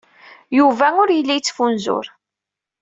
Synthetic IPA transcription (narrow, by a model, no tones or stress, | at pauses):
juvæʊɾjəlːijt͡sːfunzʊ̰ɾ